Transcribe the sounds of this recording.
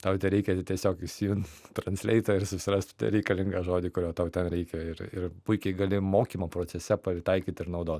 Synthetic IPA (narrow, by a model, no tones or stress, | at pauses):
t̪ɐʊt̪ʲɛɾʲɛɪkʲɛt̪ʲiɛsʲoːkɪʃʲsʲɪjunt̪t̪ɾɐnʲsʲlʲɛɪt̪ɐɪɾsʊsʲɪɾɐsʲt̪ʲt̪ʲɐ̰ɾʲɛɪkɐlʲɪŋɡɐʒoːd̪ʲiːkʊɾʲoːt̪ɐʊt̪ʲɛnɾʲɛɪkʲɛɪɾɪ̰rpʊɪkʲɛɪɡɐlʲɪmoːkʲiːmɐpɾoːt͡sʲɛsʲɛpɐɪt̪ɐɪkʲiːt̪ʲɪɾnɐʊd̪oːt̪ʲ